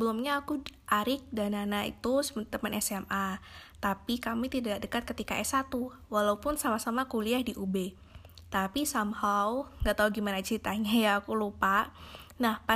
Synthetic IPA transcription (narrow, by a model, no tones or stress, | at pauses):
əbəlumɲaːkuʔaɾɪk̚dananaḭt̪usəət̪əmənʔɛsɛmʔat̪apikamit̪idaʔ̚dəkat̪̚kət̪ika̰ʔɛsat̪u | walaupʊnsamahsamakuliahdiʔube | t̪apisamhawŋɡaʔt̪auɡimanat͡ʃɾit̪aɲajaːkulupaʔnahpa